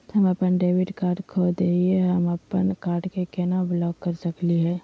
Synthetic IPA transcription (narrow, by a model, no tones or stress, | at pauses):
t̪ʰəməpənɖeːʋɪɖkaːɾɖkʰod̪eieɦəməpənkaːɾɖkekenablɔːkːəɾsəkliɦɛː